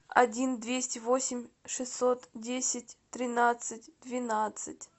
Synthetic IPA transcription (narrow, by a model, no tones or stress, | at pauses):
ɐ̰dʲind̪vʲesʲtʲɪvosʲɪmʲʂɨsʲːot̪dʲesʲɪtʲt̪ɾʲɪnat̪sɨt̚ʲd̪̥vʲɪnat̪sɨtʲ